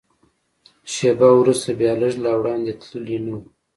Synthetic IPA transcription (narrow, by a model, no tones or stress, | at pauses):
ʃebawɾust̪abjɑləʒlawɽɑnd̪et̪ləlinu